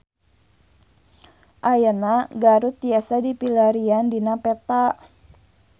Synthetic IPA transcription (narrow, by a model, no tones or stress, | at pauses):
ʔajanaɡaɾut̪iasadipilaɾiandinapɛt̪a